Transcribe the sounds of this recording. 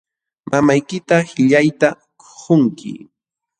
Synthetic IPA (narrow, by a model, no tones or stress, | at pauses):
mamajkɪt̪ahɪʎajt̪a | ko̥χʊŋkʰɪ̰